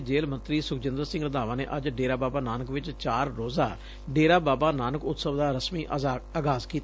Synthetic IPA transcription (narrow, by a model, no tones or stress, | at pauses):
d͡ʒeːlmə̃nt̪ɾiːsʊkʰd͡ʒɪnd̪əɾsɪ̃ŋɡɾəd̪aːʋãːnḛːʔəd͡ʒɖeːɾaːbaːbaːnaːnəkʋɪt͡ʃt͡ʃaːɾːoːza̰ː | ɖeːɾaːbaːbaːnaːnəkʊt̪səʋd̪aːɾəsmiːʔaːɡaːskiːt̪